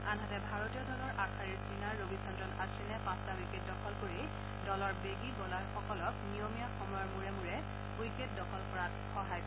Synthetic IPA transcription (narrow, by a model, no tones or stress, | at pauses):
anɦatɛbʱaɹotijɔdʱɔlɔɹʔakʰaɹiɹsinaɹːobisʰɔntɹɔnasilnɛpãstaujket̚dɔkʰɔlkoɹi | dɔlɔɹbeɡibɔlaɹxɔkɔlɔknijomijaxɔmɔjɔɹmuɹɛmuɹɛ | ujket̚dɔkʰɔlkɔɹat | xɔɦaj